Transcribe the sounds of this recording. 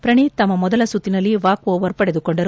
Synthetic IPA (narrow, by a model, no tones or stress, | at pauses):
pɾɐɳit̪ɐmːɐmɔd̪ɐlɐsut̪ːinɐlːiʋaːkoːʋɐɾpɐɽe̞d̪ukoɳɖɐɾu